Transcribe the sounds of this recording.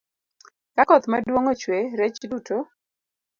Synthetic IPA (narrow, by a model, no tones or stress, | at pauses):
kakɔt̪madwoŋot͡ʃweɾɛt͡ʃduto